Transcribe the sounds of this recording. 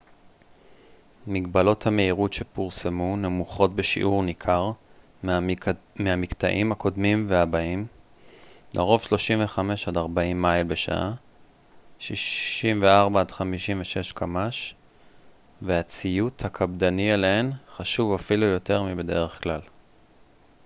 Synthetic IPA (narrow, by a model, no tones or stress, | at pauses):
miɡbalo̞thame̞iʁutʃepuʁsemunemuχo̞t̚beʃḭʔuʁnikʰaʁ | meamikta̰ʔimhako̞dmimveabaim | lʔeʁo̞vʃlo̞ʃimveχame̞ʃadaʁbaimːajlbeʃa̰ʔa | ʃiʃimveaʁbadχamiʃimveʃe̞ʃkʰamaʃ | veat͡sijuthakʰabdanieleenχaʃuvafilujo̞te̞ʁmibe̞de̞ʁeχklal